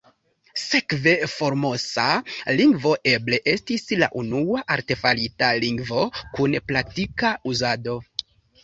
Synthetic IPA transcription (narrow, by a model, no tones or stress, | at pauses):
se̞kve̞fo̞ɾmo̞saliŋɡvo̞ʔe̞ble̞ʔe̞stisla̰ʔunuaʔaɾte̞falitaliŋɡvo̞kunplaktikauzado̞